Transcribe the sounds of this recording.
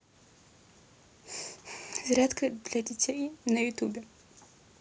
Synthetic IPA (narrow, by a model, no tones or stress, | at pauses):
zrʲat̪kʰɐd̪lʲɐdʲitʰʲejnɐjut̪ubʲɛ